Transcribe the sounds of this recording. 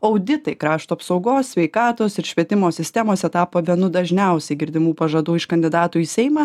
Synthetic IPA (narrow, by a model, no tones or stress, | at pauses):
ɐʊd̪ʲɪt̪ɐɪkɾɑːʃt̪uːɐpsɐʊɡoːssʲʋʲɛɪkɑːt̪oːsɪɾʃʲʋʲiɛt̪ʲɪmoːsʲɪsʲt̪ʲɛmoːsʲɛt̪ɑːpoːʋʲiɛnʊd̪ɐʒʲnʲɛʊsʲɛɪɡʲɪɾʲd̪ʲɪmuːpɐʒɐd̪uːɪʃkɐnʲd̪ʲɪd̪ɑːt̪uːisʲɛɪmɑː